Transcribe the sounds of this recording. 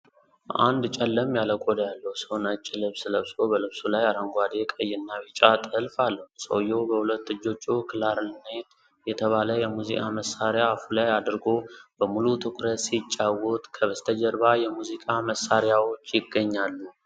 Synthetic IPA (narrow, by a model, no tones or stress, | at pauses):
ʔa̰nd̪t͡ʃʼɛlːəmjaləkʼod̪jalːəhusəwnət͡ʃʼːɪlɨβsləβsobəlɨβsulajaɾəŋɡʷad̪ekʼəjːɪnːaβit͡ʃʼat̪ʼɨlfalːəhusʼə̰wjo̞bəhulət̪ːɨd͡ʒːo̞t͡ʃːukʰɨlaɾlnat̪ | jɛt̪ʰəβaləjɛmuzikʼaməsaɾjafulajad̪ɾɡo̞bəmulut̪ʰɨkʷʼɾət̪sit͡ʃʼːawot̪ʼkʰəβəst̪ʰəd͡ʒəɾbajɛmuzikʼaməsːaɾjawot͡ʃːjɪɡːəɲːalːu